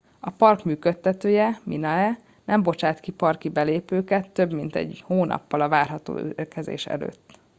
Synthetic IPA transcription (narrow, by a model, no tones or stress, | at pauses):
ɒpɒrkmyːkøt̪ːɛt̪øːjɛminɒɛ | nɛmbo̞t͡ʃaːt̪kipɒrkibɛleːpøːkɛt̪ːøbmint̪ɛ̰ɟhoːnʔɒ̰pːɒlɒvaːrɦɒt̪o̰ːkɛzḛːʃɛ̰lø̰ːt̪ː